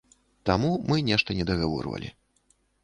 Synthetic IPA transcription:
t̪amumɨnʲɛʂt̪ɐnʲɛd̪ɐɣavɔ̰rvɐ̰lʲḭ

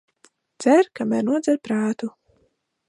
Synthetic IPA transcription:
d̪z̥æɾkamæɾnuɔd̪zɛɾpɾaːt̪u

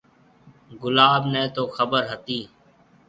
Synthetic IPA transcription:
ɡʊlaːbnɛ̃ːt̪oːxəbəɾɦət̪iː

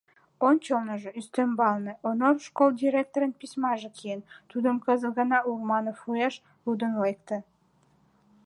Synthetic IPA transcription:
onʲt͡ɕəlnəʒeyst̪ømbɑlnəʔonorʃkold̪ʲiɾʲek̚t̪oɾənpismɑʒekʰijent̪ud̪əmkəzəɣənɑurmɑnofujɑʃ | lud̪ənlek̚t̪ə̆

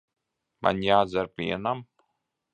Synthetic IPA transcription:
ma̰nʲjaːzaɾpḭɛnam

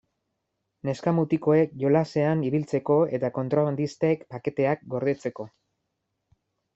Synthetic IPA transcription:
ne̞skamut̪iko̞e̞kʝo̞lase̞aniβilt͡se̞ko̞e̞t̪ako̞nt̪ɾoβand̪ist̪ekpake̞t̪e̞ak̚ɡo̞ɾð̞et͡se̞ko̞

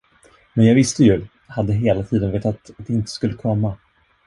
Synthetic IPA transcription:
mɛnjɑːɡvɪst̪əjɵ | had̪ːəɦeːlat̪ʰiːd̪ənveːʈ̪at̪at̪̚d̪ɛɪnt̪ə̥skɵlːəkʰɔmːa

